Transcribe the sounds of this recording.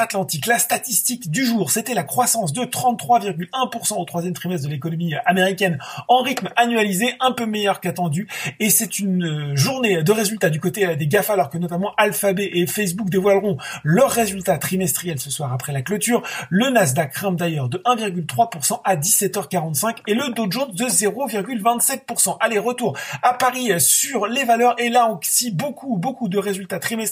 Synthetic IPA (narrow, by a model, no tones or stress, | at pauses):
at̪lɑ̃t̪iklast̪at̪ist̪ikd̪yʒuːʁset̪ɛlakχwasɑ̃sd̪ət̪χɑ̃t̪ːχwaviʁɡʲylɛ̃puʁsɑ̃ot̪χwazjɛmt̪χimɛst̪̚d̪əlekɔnɔmiameʁikʲɛnɑ̃ʁit̪manɥalizeʔɛ̃pømɛjœʁkat̪ɑ̃d̪yesɛt̪ynøʒuʁned̪əʁezylt̪ad̪ykot̪ed̪eɡafalɔʁkənɔt̪amɑ̃ʔalfabɛʔefɛs̬buk̚d̪evwalʁɔ̃lœʁːezylt̪at̪χimɛst̪χijɛlsəswaʁapχɛlaklot̪yːʁlənaz̬d̪akχɛ̃md̪ajœʁd̪əʔɛ̃viʁɡʲylt̪χwapuʁsɑ̃ʔad̪isɛt̪œʁkaʁɑ̃t̪sɛ̃keləd̪oʒɔ̃d̪əzeʁoviʁɡʲylvɛ̃t̪sɛt̪̚puʁsɑ̃ʔaleʁət̪uʁapaʁisyʁlevalœʁelaoksibokʰubokud̪əʁezylt̪at̪χimɛst̪